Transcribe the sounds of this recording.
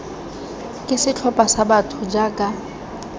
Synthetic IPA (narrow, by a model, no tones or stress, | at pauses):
kʼɪsɪt͡ɬʰɔpʼasabatʰʊd͡ʒakʼa